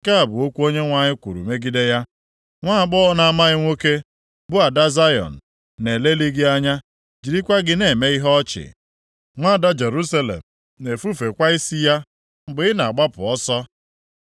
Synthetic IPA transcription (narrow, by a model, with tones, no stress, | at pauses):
ka˦a˨bʊ˨o˦kʷu˦o˦ɲe˦ŋʷa˨ɲɪ˦kʷṵ˨ɾṵ˨me˦ɡi˦de˦ja˦ | ŋʷa˦a˨ɡ͡bɔ˦na˨a˦ma˦ɣɪ˦ŋʷo˦ke˦ | bʊ˦a˨da˦za˦jɔ̰˨n̩˨ | ne˨le˦li˦ɡɪ˦a˦ɲa˦ | d͡ʒi˨ɾi˦kʷa˦ɡɪ˦ne˨me˦i˦ɦɔ˦t͡ʃɪ̰˨ | ŋʷa˦˨da˦d͡ʒe˨ɾu˦sa˦lḛ˨m̩˨ | ne˨fu˦fe˨kʷa˦i˦si˦ja˦ | m̩˦bʊ˨ɪ˦na˨a˨ɡ͡ba˦pʊ̰˨ɔ˦sɔ˦